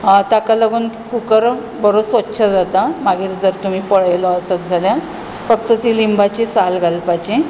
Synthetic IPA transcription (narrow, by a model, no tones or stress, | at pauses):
t̪akaləɡuːnkkukəɾ | bəɾosʋətːɕʰad͡zat̪amaɡiːɾd͡zəɾt̪um̤iːpəɭəjlɔəsat̪d͡zʱalja | fək̚t̪ət̪iːlimbat͡ɕisalɡʱalpat͡ɕi